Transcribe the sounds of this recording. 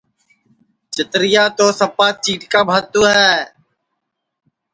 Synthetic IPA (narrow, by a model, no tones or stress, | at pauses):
t͡ʃɪt̪ɾɪjaːt̪oːsəpːaːt͡ʃiːʈkaːbʱət̪uːɦɛː